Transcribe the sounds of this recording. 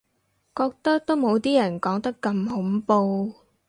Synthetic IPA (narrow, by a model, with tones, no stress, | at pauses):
kɔː˧k̚t̪ɐ˥k̚t̪o˥wmo˨˧wt̪iː˥jɐ˨˩nkɔː˨˥ŋt̪ɐ˥kːɐ˧mhʊ˨˥mpo˧w